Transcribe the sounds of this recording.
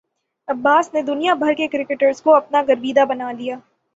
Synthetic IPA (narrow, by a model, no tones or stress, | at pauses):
ɐbːaːsned̪ʊnijabʱɐɾkekɾɪkəʈəɾzkoɐpnaɡɐɾbiːd̪abɐnaːlijaː